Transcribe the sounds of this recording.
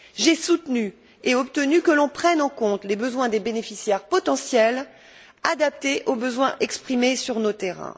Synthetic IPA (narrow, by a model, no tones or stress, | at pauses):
ʒesut̪ny | eɔp̚t̪ənykəlɔ̃pχɛnɑ̃kɔ̃t̪lebəzwɛ̃d̪ebenefisjɛʁpɔt̪ɑ̃sjɛl | ad̪ap̚t̪eʔobəzwɛ̃ʔɛkspχimesyʁnot̪eʁɛ̰̃